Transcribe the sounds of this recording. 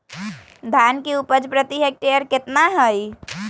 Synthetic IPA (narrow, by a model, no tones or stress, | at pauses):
d̪ʱankeupəd͡ʒpɾət̪iɦek̚ʈeəɾket̪naɦəj